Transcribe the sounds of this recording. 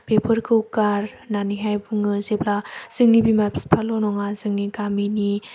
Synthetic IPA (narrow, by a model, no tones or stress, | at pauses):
pepʰɯɾkʰɯwkaɾnaniɦajbɯŋɯzeplaz̥ɯŋnibimapspʰalɔnɔŋazɯŋnikamini